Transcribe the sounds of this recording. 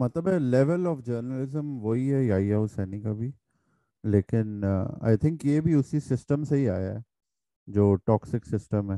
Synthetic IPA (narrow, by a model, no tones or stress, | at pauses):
mɐt̪ləbɛlɛʋəlɔːfd͡ʒəːɾnəlɪzə̃mʋoɦiɦɛiaːiaʊsɛːnikabʱi | leːkɪna̰ɪt̪ʰɪ̃ŋkjebʱiʊsisɪsʈəmseɦiaːjaɦɛ | d͡ʒoːʈɔːksɪksɪsʈə̃mɦɛ